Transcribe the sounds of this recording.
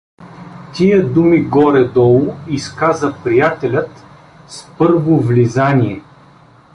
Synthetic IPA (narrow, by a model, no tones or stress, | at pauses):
t̪ʲiəd̪umiɡɔɾɛd̪ɔlˠʊiskazəpɾijat̪ɛlʲət̪ | spɤɾvovlizanʲiɛ